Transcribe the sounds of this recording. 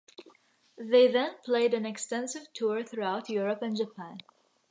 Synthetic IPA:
ðeɪðɛ̃npʰl̥eɪɾæ̃nɛkstɛ̃nsɨv̥tʰuɹθɹuaʊtʰjuɹəpɨ̃nd͡ʒəpʰæ̃n

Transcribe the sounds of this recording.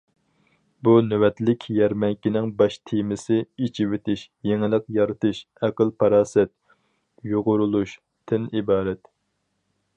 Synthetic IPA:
bunøwɛt̪lɪkʲʰjɛɾmɛŋkʲinɪŋbɑʃt̪ʰimɪsɪit͡ʃʰiwɪt̪ʰɪʃ | jeŋɪlˠəqjɑɾɨt̪ɨʃ | ɛqəlˠpʰɑɾɑːsɛt̪̚ | joʁʊɾulˠuʃ | t̪ʰːɪnibɑːɾɛt̪

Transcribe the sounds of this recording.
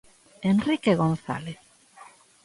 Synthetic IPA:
enrikeɣonθa̰leθ

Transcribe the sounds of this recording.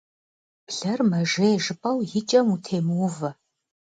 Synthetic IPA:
b̥ɮɐrmɐʒɐʒɨpʼɐwjɪt͡ʃʼɐmutʰeːmɨwvɐ

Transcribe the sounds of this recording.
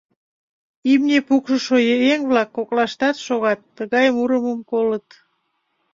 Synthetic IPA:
imnʲepukʃəʃojeeŋβlɑkːoklɑʃt̪ɑt̪ʃoɣɑt̪ːəɣɑjmuɾəməmkolət̪

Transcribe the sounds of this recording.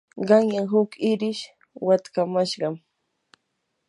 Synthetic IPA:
ɢɑŋjaŋɦʊkɪɾɪʃ | wat̪kamaʃɢɑm

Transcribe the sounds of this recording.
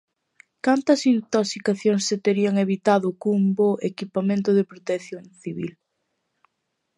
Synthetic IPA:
kant̪ɐsint̪oksikaθjoŋsːet̪eɾiɐŋeβit̪aðʊkuumboʔekipamẽnt̪ʊðepɾot̪eθjoŋθiβḭl

